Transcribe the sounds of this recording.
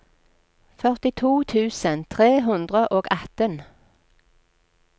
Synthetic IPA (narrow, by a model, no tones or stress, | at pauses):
fœʁt̪ɪt̪ʰuːt̪ʰʉːsənt̪ʰʁeːɦʉnd̪ʁəʔoːɡɛt̪ən